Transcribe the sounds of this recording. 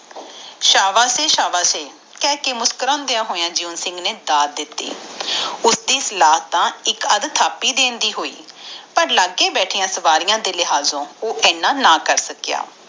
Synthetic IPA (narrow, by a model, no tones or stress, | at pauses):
ʃaːʋaːseːʃaːʋaːseː | kɛːkeːmʊskəɾɔ̃ːnd̪ejãːɦoːjãːd͡ʒiuːnsɪ̃ŋɡneːd̪aːd̪̚d̪ɪt̪ːḭː | ʊsd̪iːsəlaːɦt̪ãːɪkəd̪t̪ʰaːpːiːd̪eːnd̪iːɦoːḭːpəɾlaːɡeːbɛːʈʰɪːjãːsəʋaːɾɪjãːd̪eːlɪɦaːzõːoːʔɛːnãːnaːkəɾsəkja̰ː